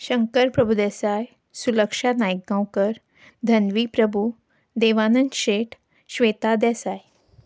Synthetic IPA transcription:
ɕəŋkəɾpɾəbʱud̪ɛsaj | suləkʂanajkːãwkəɾ | d̪ʱənʋiːpɾəbʱu | d̪eʋanənɕeʈʰ | ɕʋet̪ad̪ɛsaj

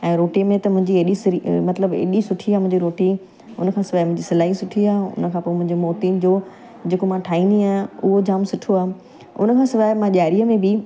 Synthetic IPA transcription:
ɛ̃ːɾoːʈimẽt̪ɐmʊ̃ɦɪ̃ɲd͡ʑieɗismɐt̪ləbḛːɗisʊʈʰiaːmʊ̃ɪ̃ɲd͡ʑiɾoːʈi | ʊnə̆kʰãːsɪʋaːɦɪmʊ̃ɦɪ̃ɲd͡ʑisɐlaːisʊʈʰiaːʊ̰nəkʰãːpoːmʊ̃ɦɪ̃ɲd͡ʑomoːt̪iːnd͡ʑoː | d͡ʑeːkomãʈʰaːĩːnd̪iaːʊɦod͡ʑaːmsʊʈʰoaːɦ | ʊ̰nə̆kʰãːsɪʋaːɦɪmãʄaːɾiəmẽbɪ

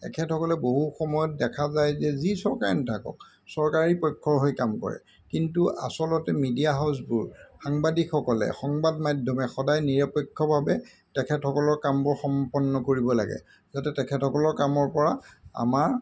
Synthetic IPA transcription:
ɛ̰kʰɛthɔkɔlɛboɦuxɔmɔjɔt̚dɛkʰazajzɛzisɔɹkaɹinɛtʰakɔ̰k̚ | sɔɹkaɹipɔjkʰːɔɹɦojkamkɔ̰ɹɛ̰ | kintuʔa̰sɔlɔtɛmidijaɦaws̬bʊɹxaŋbadikxɔkɔlɛ̰xɔŋbadmadʱɔmɛxɔdajniɹapɔkʰːɔbʱabɛ | tɛkʰɛthɔkɔlɔɹkambʊɹxɔmpɔnːɔkoɹibɔla̰ɡɛ̰ | zatɛtɛkʰɛtʰɔkɔlɔɹkamɔɹpɔɹaa̰maɹ

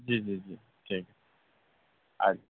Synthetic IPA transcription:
d͡ʒid͡ʒid͡ʒi | ʈʰik | a̰l

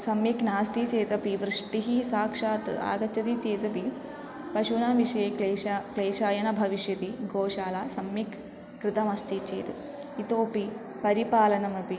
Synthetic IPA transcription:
sɐmjɐknaːst̪it͡ʃeːt̪ɐpiʋɾɨʂʈiɦisaːkʂaːt̪ɨ̰a̰ːɡɐt͡ʃːɐt̪it͡ʃeːt̪ɐpi | pɐʃunaːʋiʂɐjeːeːakleːʃaːjɐnɐbʱɐʋiʂjɐt̪iɡoːʃaːlaːsɐmjikʰː | ɾɨt̪ɐmɐst̪it͡ʃḛːt̪ɨ | it̪oːpi | pɐɾipaːlɐnɐmɐpi

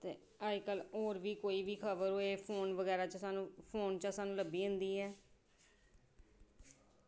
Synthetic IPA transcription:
t̪ḛː | aːikəloːɾʋiːkoːiːʋiːkʰəbəɾɦoːeːpʰoːnʋəɡɛːɾaːt͡ʃəsaːnũːpʰoːnt͡ʃasaːnũːləbiːɦə̃nd̪iːɦɛː

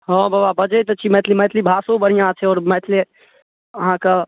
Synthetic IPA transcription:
ɦõbababəd͡ʒət̪ət͡ʃʰimɛːt̪ʰlimɛːt̪ʰlibʱaːsõbəɽ̤ijãt͡ʃʰɛɔːɾmɛːt̪ʰle | ɦãka

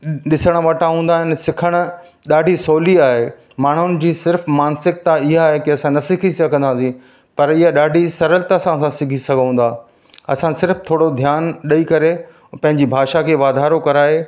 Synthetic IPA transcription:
ɗɪsəɽ̃ʋɐʈaɦũːn̆d̪aːɦɪnɪ̆sɪkʰəɽ̃ | ɗaːɖʱisoːliaːɦe | maːɳ̤ʊnɪ̆d͡ʑiːsɪɾfmaːnsɪk̚t̪aɪɦaːɦekɪɐsãnɐsɪkʰiskʰə̃nd̪ãsĩ | pɐɾɪɦaɗaːɖʱisɐɾəlt̪ːsãsãsɪɡʱisɐɡʱɦũːn̆d̪aː | ɐsãsɪɾft̪ʰoːɽod̪ʱjaːnɗɐikɐɾe | pɐ̃ɦɪ̃ɲd͡ʑibʱaːʃakʰeːʋaːd̪ʱaːɾokɐɾaːɦe

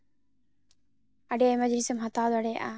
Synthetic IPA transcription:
ɐɖeemɐd͡ʒlisɐmɦɐt̪aːlɐɖeːʔaː

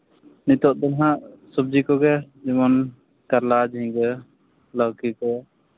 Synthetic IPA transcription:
nit̪ɔʔ̚d̪ɔnɦaʔsɔb̚d͡ʒikɔɡɛd͡ʒimɔn | kaɾlad͡ʒĩɡə | ləwkikɔ

